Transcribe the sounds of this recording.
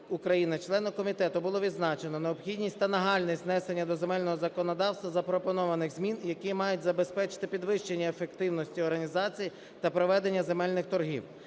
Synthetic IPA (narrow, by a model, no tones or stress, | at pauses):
ʊkɾɐjinɪt͡ʃlˠɛnʊkɔmʲit̪ɛt̪ʊbʊlˠɔʋʲid̪znɑt͡ʃe̞nɔneɔbxʲidʲnʲisʲtʲt̪ɐnɐɦɑlʲnisʲtʲnɛsenʲːɐd̪ɔzemɛlʲnɔɦɔzɐkɔnɔd̪ɑwst̪ʋɐzɐpɾɔpɔnɔʋɐnɪɣzmʲinjɐkimɑjʊt̚ʲzɐbe̞spɛt͡ʃɪ̥t̪ɪpʲid̪ʋɪʃt͡ʃenʲːɐefekt̪ɪwnɔsʲtʲiɔrɦɐnʲizɑt͡sʲiji | t̪ɐpɾɔʋɛd̪e̞nʲːɐze̞mɛlʲnɪxt̪ɔrɦḭw